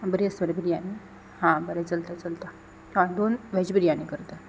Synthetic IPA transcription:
bəɾiəsbəɾebiɾjani | hãbəɾɛt͡səlt̪at͡səlt̪a | ãd̪onʋɛd͡ʑbiɾijanikəɾt̪a

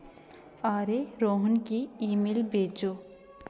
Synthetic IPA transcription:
aːɾeɾoːɦənkiiːmelbeːd͡ʒoː

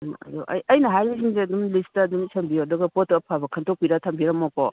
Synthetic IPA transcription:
nɐ̰jo̰ʔɐ̰jɐjnɐɦajisiŋzeɐdumlistɐːdumsɐmbiodɐɡɐpotɐpʰabɐkʰɐntʰok̚piɾatʰɐmbiɾɐmɔkɔ

